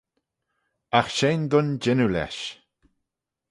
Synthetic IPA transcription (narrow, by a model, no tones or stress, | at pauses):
axʃejnd̪ʊnd͡ʒɪnulɛ̰ʃ